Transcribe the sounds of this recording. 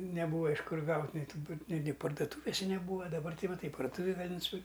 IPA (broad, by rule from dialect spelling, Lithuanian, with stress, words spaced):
nʲɛˈbuːʋɐ ɪʃ ˈkʊr ˈɡɐʊtʲ nʲɛɪ ˈtuː ˈnʲɪ nʲɪ pɐrdʊˈtuːʋʲɪsʲɛ nʲɛˈbuːʋɐ dɐˈbɐr ˈtɐɪ ʋɐ ˈtɐɪ pɐrdʊˈtuːʋʲeːj ˈɡɑːlʲɪ nʊsʲɪˈpʲɪrʲkʲ